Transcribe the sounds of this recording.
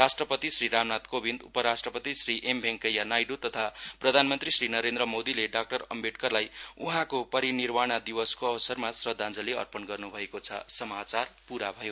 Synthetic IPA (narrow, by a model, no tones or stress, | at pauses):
rasʈrʌpʌt̪isriɾamnat̪kobʱind̪ṵpʌɾasʈrʌpʌt̪isriʔembʱeŋkʌjanajɖot̪ʌt̪ʰaprʌd̪ʱanmʌnt̪risrinʌɾend̪ɾʌmod̪ileɖak̚ʈʌɾʌ̰mbeʈkʌrlajuɦãkopʌɾinirmaɽ̃ad̪iwʌskoʌwʌsʌrmasrʌd̪ʱand͡zʌleʌ̰rpʌnɡʌrnubʱʌekot͡sʰʌ̰sʌmat͡sarpuɾabʱʌjo